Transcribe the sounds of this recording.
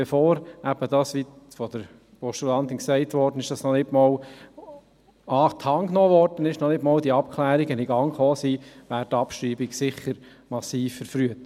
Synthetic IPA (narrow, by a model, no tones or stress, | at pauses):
bɛfoːɾʔæb̥əd̥ɑːsʋifɔd̥əɾ | pɔʃt̪ulɑnd̪ɪnksɛɪtʋɔːɾd̥ənɪʃd̥ɑsnɔnɪtmɔːl | ɑːt̪ʰhɑŋknɔːʋɔrd̥ənɪʃnɔnɪtmɔːldiɑp̚kʰlæːɾiɡəniɡɑŋχoːsiːʋæːɾtɑpʃɾiːbiɡsɪχːəɾ | mɑsiːfːəɾfɾyət